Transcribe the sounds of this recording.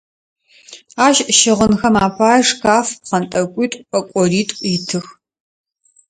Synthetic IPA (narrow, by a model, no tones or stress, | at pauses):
aːʃʃɪʁənxɐmaːpʰaːjʂkʰaːfqɐntʼɐkʷʼiːtʷʼɐkʷʼɔriːtʼitʰɨx